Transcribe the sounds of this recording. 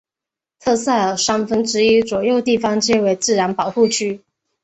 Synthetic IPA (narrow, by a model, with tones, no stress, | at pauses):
t̪ʰɤ˥˧sa˥˩ə˨˩ʂɑ˥ŋfə˥nʈ͡ʂɻ̩˧˥i˥t͡swɔ˨˩jo˥˧ʊt̪i˥˩fɑ˥ŋt͡ɕjɛ˥we˧˥ɪt͡sɹ̩˥˩ɻa˧˥npɑ˨˩ʊxu˥˨t͡ɕʰy˥